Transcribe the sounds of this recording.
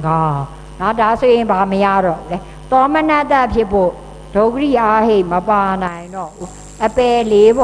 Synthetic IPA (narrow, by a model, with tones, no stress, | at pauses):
ɡa˨ | na˦˨da˨so˨jɪ̃˨mba˨məja̰˦˨dɔ̰˦˨lɛ˦ | t̪ɔ˦mə˦na˦t̪a˦ʔpʰjɪ˦pʰo˦˨ | d̥o˦ʊkə˦ɾi˦˨ʔa˦he˦˨ʔmə˨pa˨nã˨ɪ̃ndɔ̰˦˨bu˨˦ | ʔəpɛ˨le˦bɔ˨